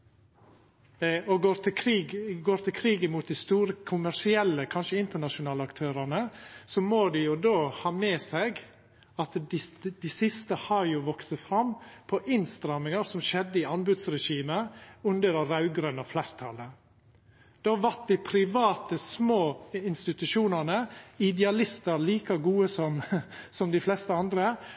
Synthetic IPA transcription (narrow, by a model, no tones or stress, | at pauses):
ɔɡoːɾkʰɾiːɡɡoːɾt̪ʰɪlkʰɾiːɡɪmuːt̪̚d̪ɪst̪uːɾəkʰʊmæʂɪɛlːəkʰɑnʃəɪnt̪əɳɑʃʊnɑːləɑkt̪ʰøːɾɑnəsɔmoːd̪ɛjʊd̪oːhɑːmeːsɛɡ | ɑt̪d̪ɪd̪ɪsɪst̪əhɑɾjʊʋɔksəfɾɑmpʰɔʔɪnst̪ɾɑmɪŋɑɾsɔmʃɛd̪ːəɪɑnbʉd̪sɾɛʃiːməʉnd̪əɾɛɾɑʉɡɾœnɑflæːɾt̪ʰɑlə | d̪̥oɑʋæʈ̚d̪ɪpʰɾɪʋɑːt̪əsmoːɪnst̪ɪt̪ʉʂuːnənəɪd̪ɛɑlɪst̪əɾliːkɑɡuːəsɔmsɔmd̪ɪflɛst̪əɑnd̪ɾə